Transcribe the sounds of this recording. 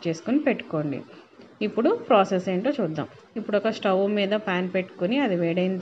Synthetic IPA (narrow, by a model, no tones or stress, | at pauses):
t͡ʃe̞ːsu̥kunipe̞ʈːu̥ko̞ːɳɖḭ | ipːuɽupɾaːseseːɳʈo̞ːt͡ʃuːd̪ːa̰ːm | ipːuɽɔkɐsʈɐʋumiːd̪ɐpaːnpe̞ʈːu̥kuniɐd̪iʋɛːɽɐjind̪